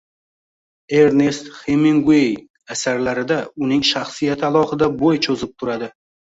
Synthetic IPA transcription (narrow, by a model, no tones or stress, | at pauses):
eɾnest̪χemiŋɡej | asaɾlaɾɪd̪aʊnɪŋʃaχsijat̪ʰɪalˠɒhɨd̪abojt͡ʃʰɵzɪp̚t̪ʰʊɾad̪ɪ